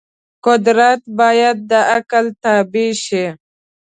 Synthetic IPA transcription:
kʊd̪ɾat̪baːjad̪̚d̪əakəlt̪abiʃi

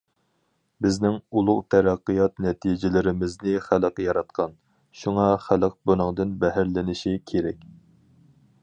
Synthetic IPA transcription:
bɪznɪŋulˠʊʁt̪ʰæɾæqːijɑt̪nɛt̪ʰid͡ʒɪlɪɾɪmɪznɪχæləqjɑɾɑt̪̚qʰɑn | ʃuŋɑχæləq̚bonɨŋd̪ɨnbɛɦæɾlɪnɪʃikʲʰeɾɛkʲ

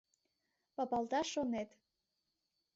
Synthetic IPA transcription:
pɑpɑlˠd̪ɑʃonet̪

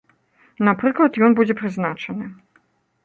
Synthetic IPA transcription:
napɾɨklˠɐt̪jɔnbud͡zʲɛpɾɨznat͡ʂɐnɨ

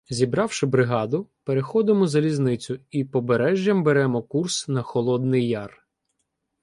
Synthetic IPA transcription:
zʲibɾɑwʃɪbɾɪɦɑd̪ʊpeɾexɔd̪ɪmɔzɐlʲiznɪt͡sʲʊipɔbeɾɛʒʲjɐmbeɾɛmɔkursnɐxɔlˠɔd̪̚nɪjːɑr

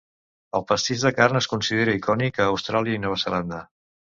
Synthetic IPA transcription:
əlˠpəst̪iʒðəkarnəskunsiðeɾəikɔnikəːwst̪ɾaliəinɔβ̞əzəland̪ə

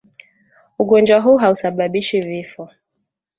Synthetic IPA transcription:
uɡɔnd͡ʒwaɦuɦausaɓaɓiʃivifɔ

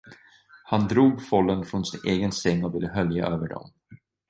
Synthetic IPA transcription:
hand̪ɾuːɡfɔlːənfɾɔnsɪneːɡənsɛŋːɔvɪlːəɦœlja̰ʔøːvəɖɔ̰m

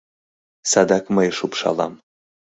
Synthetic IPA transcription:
sad̪ɑkməjʃupʃɑ̰lˠɑ̰m

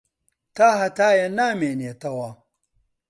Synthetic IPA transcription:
t̪aːɦɐt̪aːjɐnaːmeːniet̪ɐwaː

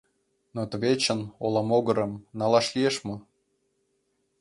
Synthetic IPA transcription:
not̪əβet͡ɕə̆nolˠɑmoɡɤ̆ɾə̆mnɑlˠɑʃlʲieʃmɤ̆

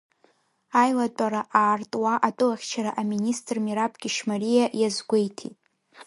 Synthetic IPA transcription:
ajlatʼaɾaʔaːrtʼwaʔatʼɨlaχʲt͡ʃʰaɾaʔaministʼrmiɾapʼɡʲɪʃmarijaʔjazɡʷejtʰitʼ

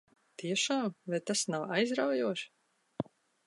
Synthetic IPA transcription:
t̪iɛʃaːmvɛt̪asnawajzɾawjuɔʃ

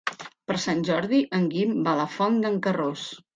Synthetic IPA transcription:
pəɾsanʲʒɔɾðiʔəŋɡimbaləfɔnd̪əŋkəros

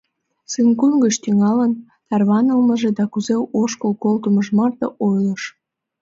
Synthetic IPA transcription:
sɨnkuŋɡəʃt̪yŋɑlən | t̪ɑrβɑnəlməʒed̪ɑkuzeʔoʃkəlkolt̪əməʒmɑrt̪ɤʔojləʃ

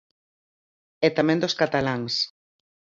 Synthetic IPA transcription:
ɛt̪amɛ̃nd̪oskat̪alaŋs

